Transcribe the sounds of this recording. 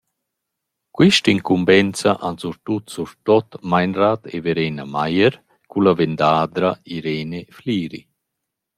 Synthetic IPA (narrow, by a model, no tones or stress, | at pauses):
kwiʃtiŋkumbɛnt͡saʔansuɾt̪ut̪suɾt̪ɔt̪majnrat̪ḛveɾeːnamajəɾ | kulavend̪aːd̪ɾaiɾeːnefliːɾḭ